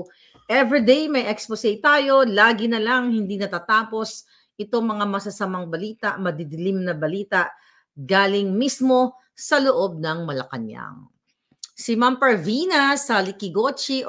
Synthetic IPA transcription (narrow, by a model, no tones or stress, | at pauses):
ʔɛvɹid̪ejmɐjʔɛksposejt̪aːjo̞laːɡɪnɐlaŋhɪnd̪inɐt̪aːt̪aːpo̞s | ʔɪt̪o̞ŋmɐŋamɐsɐsɐmɐŋbɐliːt̪ɐʔmɐd̪ɪd̪ɪlimnɐbɐliːt̪aʔ | ɡaːlɪŋmismo̞ | sɐloʔo̞b̚nɐŋmɐlɐ̰kɐ̰ɲja̰ŋ | sɪmampɐɹvinɐsɐlɪkɪɡot͡ʃi